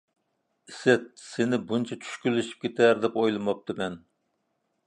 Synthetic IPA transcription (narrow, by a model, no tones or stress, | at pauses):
ɪsɛt̪̚sɪnɪbunt͡ʃʰɛt͡ʃʰy̥ʃkʲylːɪʃi̥p̚kʲʰet̪ʰæɾd̪ɛpojlˠɨmɑp̚t̪ʰɨmɛn